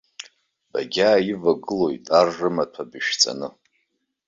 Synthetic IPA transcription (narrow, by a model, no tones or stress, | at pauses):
b̥a̰ɡʲaːivaɡɨlo̞jtʼarːɨmatʷʰabɨʃt͡sʼa̰nɨ